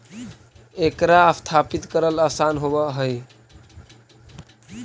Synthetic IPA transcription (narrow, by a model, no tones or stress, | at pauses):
ekɾaəst̪ʰapit̪kəɾəlasanɦobəɦəj